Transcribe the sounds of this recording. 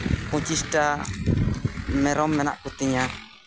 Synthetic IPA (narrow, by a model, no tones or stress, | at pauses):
kut͡ʃisʈa | mɛɾɔmːɛna̰ʔkut̪iɲa